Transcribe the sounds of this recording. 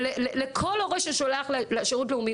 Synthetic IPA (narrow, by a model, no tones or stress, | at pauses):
lelelekʰoloʁeʃaʃoleaχlleaʃeʁutleumi